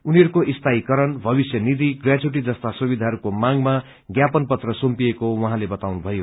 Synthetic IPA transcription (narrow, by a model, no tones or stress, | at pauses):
uniʌɾukoʔist̪ʰaikʌɾʌnbʱʌbisjʌnid̪iɡrjad͡zuʈ̬id͡zʌst̪asubid̪ʱaɦʌɾukomaŋma | ɡjapʌnpʌt̪rʌsompiekowʌɦãlebʌt̪awnubʱʌjo